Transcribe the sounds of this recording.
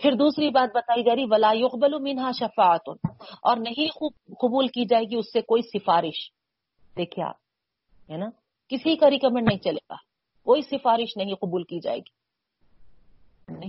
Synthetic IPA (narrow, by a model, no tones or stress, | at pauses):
pʰɪɾd̪uːsɾibaːt̪̚bɐt̪aːiɡɐɾiʋɐlaːjʊqbɐlumɪnɦaːʃɐfaːɐt̪ɔːɾnɐɦĩxuːb̚qʊbuːlkid͡ʒaːeːɡiʊsːekoːisɪfaːɾɪʃ | d̪eːkʰia̰ː | ɦɛːnaː | kɪsikaɾɪkɐmẽɳʈnɐɦĩt͡ʃɐlḛːɡa̰ː | koːisɪfaːɾɪʃnɐɦĩqʊbuːlkid͡ʒa̰ːḛːɡiː | nɐɦĩ